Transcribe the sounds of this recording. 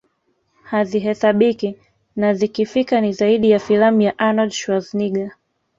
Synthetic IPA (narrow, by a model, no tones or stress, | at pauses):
haziɦɛsaɓiki | nazikifikanizaiɗijafilamujaʔanadʃwazniɡa